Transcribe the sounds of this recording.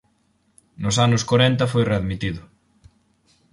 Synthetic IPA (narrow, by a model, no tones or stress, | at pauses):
nʊsanʊskoɾɛnt̪ɐfojreaðmit̪iðʊ